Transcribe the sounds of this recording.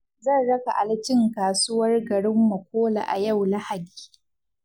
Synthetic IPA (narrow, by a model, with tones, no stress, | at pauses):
zɐ˦˨nɽɐ˦ka˨ʔa˨lɪ˦t͡ʃɪ˦ŋkaː˨su˦wɐ˦rɡɐ˨ɽɪ˦mːɐ˨kʷoː˦la̰˨ʔa̰˨ja˦˨wla˦ha˨di̥ː˨